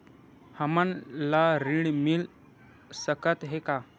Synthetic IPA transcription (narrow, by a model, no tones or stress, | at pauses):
həmənlaɾiɳmil | səkət̪ɦeka